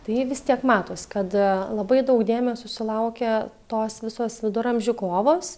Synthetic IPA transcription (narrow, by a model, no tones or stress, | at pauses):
t̪ɐɪɪʋʲɪst̪ʲiɛkmɑːt̪oːsʲkɐt̪lˠɐbɐɪd̪ɐʊkd̪ʲeːmʲɛsʲʊsʲɪlˠɐʊkʲɛt̪oːsʋʲɪsoːsʋʲɪd̪ʊɾɐmʲʒʲʊkoːʋoːs